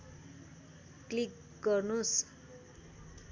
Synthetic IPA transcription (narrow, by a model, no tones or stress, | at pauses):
klik | ɡʌrnus